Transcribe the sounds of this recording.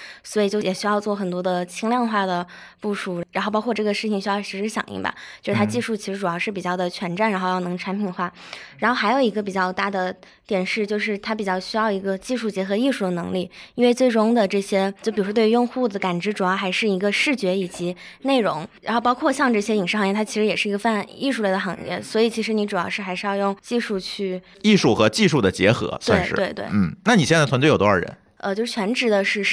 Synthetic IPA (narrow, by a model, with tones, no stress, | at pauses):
swɔ˧˥i˨˩t͡ɕjo˥˧ʊjɛ˨˩ɕy˥jɑ˥˧ʊt͡swɔ˥˩xə˨˩nt̪̬wɔ˥d̪ə˧t͡ɕʰi˥ŋljɑ˥˧ŋxwa˥˩d̪ə˩pu˥˩ʂu˨˩ɻa˧˥nxo˥˧ʊpɑ˥kʰɔ˥˧ʈ͡ʂɤ˥˩ɡə˩ʂɻ̩˥˩t͡ɕʰi˩ŋɕy˥ɑ˥˩ʊʂɻ̩˧˥ʂɻ̩˧˥ɕjɑ̰˨˩ŋʔḭ˥˩bɐ̰˩t͡ɕjo˥˧ʊʂɻ̩ʰ˥˩a˥t͡ɕi˥˧ʂu˥˩t͡ɕʰi˧˥ʂɻ̩˧˥ʈ͡ʂu˨˩jɑ˥˧ʊʂɻ̩˥˩pi˨˩t͡ɕjɑ˥˩ʊd̪ə˩t͡ɕʰɥɛ˧˥nʈ͡ʂa˥˩nɻa˧˥nxo˥˧ʊjɑ˥˩nɤ˧˥ŋʈ͡ʂʰa˧˥npʰi˨˩nxwa˥˩a˧˥nxo˥˩ʊxa˧˥jo˨˩ʊi˧˥ɡə˧p̬i˨˩t͡ɕjɑ˥˧ʊt̪a˥˩d̪ə˩ | t̪jɛ˨˩nʂɻ̩˥˧t͡ɕjo˥˧ʊʂ̬ɻ̩˥˩t̪ʰa˥p̬i˨˩t͡ɕjɑ˥˩ʊɕy˥jɑ˥˩ʊi˧˥ɡə˧t͡ɕi˥˧ʂu˥˩t͡ɕjɛ˧˥xɤ˧˥i˥˧ʂu˥˩d̪ə˩nɤ̰˧˥ŋli˥˩i˥nwe˥˧ɪt͡swe˥˩ɪɻʊ˥ŋd̪ə˨ʈ͡ʂɤ˥˩ɕjɛ˥˩p̬i˨˩˧t̪wjʊ˥˧ŋxu˥˩d̪ə˩ka˨˩nʈ͡ʂɻ̩˧˥ʈ͡ʂu˨˩jɑ˥˩ʊxa˧˥ɪʂɻ̩˥˩i˧˥ɡə˧ʂɻ̩˥˩t͡ɕɥɛ˧˥i˨˩t͡ɕi˧˥ne˥˩ɪɻʊ̰˧˥ŋɻa˧˥nxo˥˧pɑ˥ʊkʰwɔ˥˧ɕjɑ˥˧ŋʈ͡ʂɤ˥˩ɕjɛ˥i˨˩ŋʂɻ̩˥˩xɑ˧ŋjɛ˥˩t̪ʰt͡ɕʰi˧˥ʂɻ̩˧˥jɛ˨˩ʂɻ̩˥˩i˧˥ɡə˧fa˥˧ni˥˧ʂu˧le˥˩ə˩xɑ̰˧˥ŋjɛ̰˥˩swɔ˧˥i˨˩t͡ɕʰi˧˥ʂɻ̩˧˥ni˧˥ʈ͡ʂu˨˩jɑ˥˧ʊʂɻ̩˥˩xa˧˥ʂɻ̩˥˧jɑ˥˧ʊjʊ˥˩ŋt͡ɕi˥˧ʂu˥˧t͡ɕʰy˥˩ | i˥˧ʂu˥˩xɤ˧˥t͡ɕi˥˧ʂu˥˩d̪ə˩t͡ɕjɛ̰˧˥xɤ̰˧˥sʂwe˥˧ɪt̪we˥˩ɪn̩˥˩na˥˩ni˨˩ɕjɛ˥˧nt͡stʰa˥˧jt̪ʰɔ˧˥ə˞˥˩ɻə̰˧˥˦n | ə˧t͡ɕjo˥˧ʂ̩˥˩t͡ɕʰɥɛ˧˥nʈ͡ʂɻ̩˧˥d̪ə˨˧ʂɻ̩˥˧